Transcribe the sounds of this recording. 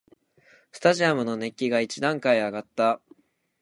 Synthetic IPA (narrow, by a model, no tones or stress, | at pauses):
sɨ̥t̪aʑiamɯ̟no̞ne̞kʲːiɡait͡ɕid̪ãŋkaiaɡat̪ːa